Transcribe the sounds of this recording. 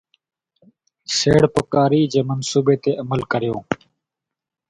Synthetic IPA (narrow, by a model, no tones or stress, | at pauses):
seːɽpəkaːɾiːd͡ʒeːmənsuːbeːt̪eːʔəməlkəɾɪjõː